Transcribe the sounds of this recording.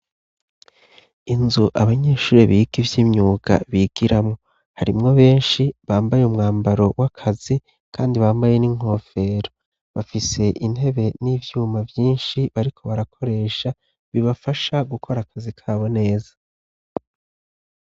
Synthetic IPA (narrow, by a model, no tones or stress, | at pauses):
inzuʔaβaɲe̞ːʃuːɾeβiːɡivjiːmɲuːɡ̥a̰βiːɡ̥iɾamŋo̞ | haɾimŋo̞βe̞ːnʃiβaːmbajumŋaːmbaɾo̞wakʰazi | kʰaːndiβaːmbaje̞niŋ̥ho̞ːfe̞ɾo | βafise̞ʔin̥he̞βe̞niːvjuːmavjiːnʃiβaɾikʰo̞βaɾakʰo̞ɾe̞ːʃa | βiβafaʃaɡukʰo̞ɾakʰazikʰaːβo̞ne̞ːzḁ